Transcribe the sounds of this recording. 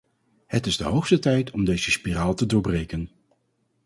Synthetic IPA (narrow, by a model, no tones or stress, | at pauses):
hətɪzdəɦowχstətɛjtʰɔmdejzəspiraːlˠtədʊːɹbrejkən